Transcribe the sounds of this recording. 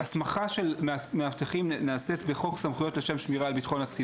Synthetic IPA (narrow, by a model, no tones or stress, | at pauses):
asmaχaʃelmmeaft̪eχimneaset̪beχo̞ksamχujo̞t̪leʃe̞mʃmiʁaːlbitχo̞nat͡si